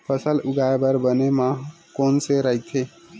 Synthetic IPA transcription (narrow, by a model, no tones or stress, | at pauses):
pʰəsəlʊɡaebəɾbənemã | koːnseɾəɦit̪ʰe